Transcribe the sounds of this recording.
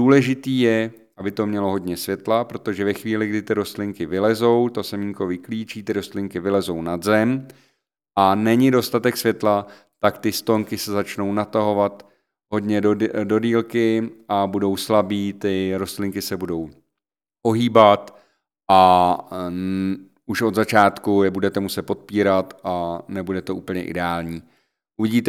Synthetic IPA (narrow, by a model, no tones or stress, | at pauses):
duːlɛʒɪt̪iːjɛ | ʔabɪt̪omɲɛlo̞ɦo̞d̪ɲɛsvjɛt̪lapɾot̪oʒɛvɛxviːlɪɡdɪt̪ɪɾo̞st̪lɪŋkɪvɪlɛzo̞wt̪o̞sɛmiŋko̞vɪkliːt͡ʃiːt̪ɪɾo̞st̪lɪŋkɪvɪlɛzo̞wnad̪zɛm | ʔanɛɲɪdo̞st̪at̪ɛksvjɛt̪la | t̪akt̪ɪst̪o̞ŋkɪsɛzat͡ʃno̞wnat̪aɦo̞vat̪ | ɦo̞d̪ɲɛdo̞diːlkɪabudo̞wslabiːt̪ɪɾo̞st̪lɪŋkɪsɛbudo̞w | po̞ɦiːbat̪ | ʔa | uʃod̪zat͡ʃaːt̪kujɛbudɛt̪ɛmusɛt̪̚po̞t̪̚piːɾat̪ʔanɛbudɛt̪oʔuːpl̩ɲɛʔɪ̰dɛaːlɲiː | ʔuvɪɟiːt̪ɛ